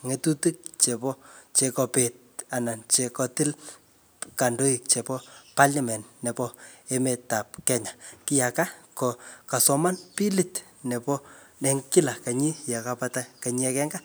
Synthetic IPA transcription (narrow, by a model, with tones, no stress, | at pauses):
ŋe˨tu˦ti˦k̚t͡ʃe˨pɔ˦t͡ʃe˨kɔ˨pe˨t̚a˨na˨nt͡ʃe˨kɔ˨tɪ˦l | ka˨ndo˦i˨k̚t͡ʃe˨pɔ˦pa˦lamɛ˨nnɛ˨pɔ˦e˦me˨ta˨p̚kɛ˨ɲa˨ki˦ja˨ka˦kɔ˨ka˨sɔ˨ma˦npi˦li˨t | nɛ˨pɔ˦nɛ˨ŋki˦la˨ka˨ɲi˦ja˨ka˧pa˦ta˦ka˨ɲia˧kɛ˦ŋɡa˦